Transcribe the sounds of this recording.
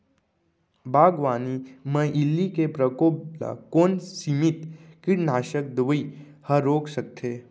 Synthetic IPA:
bʱaːɡʋaːnimə̃ʔɪlːikepɾəkoːbla̰koːnsimit̪kɪɾnaːʃək̚d̪ʋəi | hɐɾoːksək̚t̪ʰeː

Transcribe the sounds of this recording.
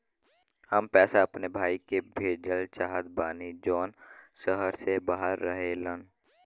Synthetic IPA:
həmpɛːsaɐpnebʱaːikebʱeːd͡ʒəlt͡ʃaːɦət̪̚baːnid͡ʒɔːnsəɦəɾsebaːɦəɾːəɦelə̃n

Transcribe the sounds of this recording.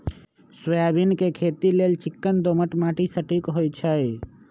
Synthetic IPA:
səjabinkekʰet̪ilelt͡ʃikːənd̪oməʈmaʈisəʈikɦojt͡ʃʰəj

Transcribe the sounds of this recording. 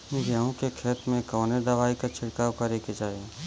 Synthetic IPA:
m̃ɡjaːũkekʰeːt̪mẽkɔːned̪ɐʋaːikat͡ʃʰɪɽkaːwkaɾeked͡ʒaːe

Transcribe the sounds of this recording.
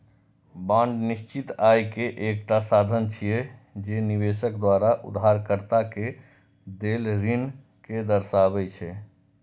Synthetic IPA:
bãɳɖniʃt͡ʃit̪ajkeʔekʈasad̪ʱənt͡ʃʰijɛd͡ʒeniβeʃəkd̪waɾaʔṵd̪ɦaɾkəɾt̪ake | d̪elɾin | ked̪əɾsaβɛt͡ʃʰɛ

